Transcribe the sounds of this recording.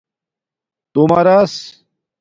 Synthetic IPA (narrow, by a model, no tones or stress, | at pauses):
t̪umaɾas